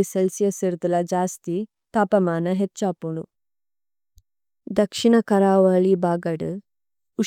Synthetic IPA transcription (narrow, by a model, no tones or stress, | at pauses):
isɐlsjɐsiɾd̪ɐlɐd͡ʒaːst̪i | t̪aːpɐmaːnɐɦet͡ʃːaːpuɳu | d̪ɐkʂiɳɐkɐɾaːʋɐːɭibaːɡɐɽɨ | u